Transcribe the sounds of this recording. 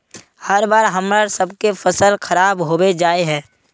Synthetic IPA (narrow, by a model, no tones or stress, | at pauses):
hɐɾbaːɾɦɐmɾaɾsɐbkefəsəlxʰɐɾaːbɦoːwed͡ʒaːeɦɛ̃ː